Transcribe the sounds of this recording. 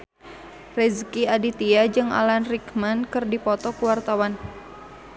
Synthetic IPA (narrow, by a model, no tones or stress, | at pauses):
rɛzkiadit̪iad͡ʒɨŋa̰lanrikmankɨrdipɔt̪ɔkuwart̪awan